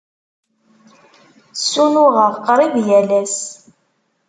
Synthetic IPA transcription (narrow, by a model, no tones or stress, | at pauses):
sːunʊʁəʁqɾˤivjælæs